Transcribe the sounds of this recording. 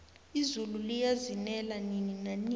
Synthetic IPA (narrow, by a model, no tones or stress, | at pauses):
izululijazinɛlanininani